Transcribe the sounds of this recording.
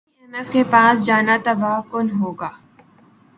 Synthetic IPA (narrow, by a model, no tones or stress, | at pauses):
ɛmɛfkepaːsd͡ʒaːnat̪ɐbaːkʊnɦoːɡaː